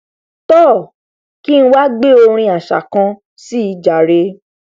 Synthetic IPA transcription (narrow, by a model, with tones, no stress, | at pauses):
tɔː˦˨ | ki˦ñ̩˦wa˦ɡ͡be˦o˧ɾ̃ĩ˧a˨ʃa̰˨kã˧ | si˦i˧d͡ʒa˨ɾe˧˦